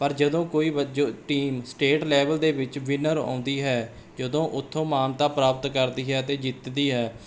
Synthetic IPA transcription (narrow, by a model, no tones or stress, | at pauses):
pəɾd͡ʒəd̪õːkoːiːəd͡ʒoːʈiːmsʈeːʈlɛːʋəld̪eːʋɪt͡ʃʋɪnəɾã̰ːnd̪iːɦɛː | d͡ʒəd̪õːʔʊt̪ʰːõːmaːnt̪aːpɾaːpət̪kəɾd̪iːɦɛːt̪eːd͡ʒɪt̪d̪iːɦɛː